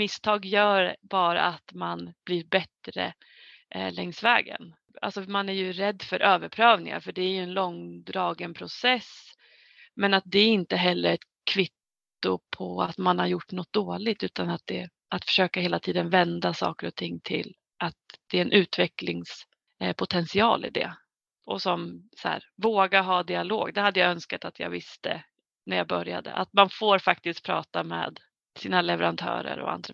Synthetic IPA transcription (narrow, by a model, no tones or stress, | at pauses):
mɪst̪ʰɑːɡjœːɾbɑːɾa̰at̪manb̥liːɾbɛt̪ɾə̰ | lɛŋsvɛ̰ːɡə̰n | ʔa̰lsɔmanæɾjɵɾɛd̪ːfœɾʔøːvəɾpʰɾøːvnɪ̰ŋa̰ɾfœɖɛæɾjɵɛnlɔŋːd̪ɾɑːɡənpʰɾʊsɛs | mɛnat̪̚d̪ɛæɾɪnt̪əɦɛlːəɾɛt̪ | kʰvɪt̪ː | ʊpʰɔat̪manhaɾjʊʈːnɔt̪̚d̪oːlɪt̪ʉ̟ːt̪anat̪̚d̪ɛ | ʔat̪fœ̥ʂøːkaheːlat̪ʰiːd̪ənvɛnd̪asɑ̰ːkəɾɔt̪ʰɪŋːt̪ʰɪ̰l | ʔat̪̚d̪̥ɛɛnʔʉ̟ːt̪vɛklɪŋs | pʰʊt̪ʰɛnsɪɑːlɪ̰d̪ɛ̰ | ʔɔsɔmsæ̰ːɾvoːɡaɦɑːd̪ɪaloːɡd̪ɛhad̪ːəjaœnskat̪at̪ʰjɑ̰ːɡvɪst̪ə̰ | næɾjaːbœɾja̰d̪ə̰ʔat̪manfoːɾfak̚t̪ɪst̪̚pʰɾɑːt̪amḛːd̪ | siːnalɛvɛɾant̪ʰœ̰ːɾə̰ɾɔ̰a̰nd̪ɾa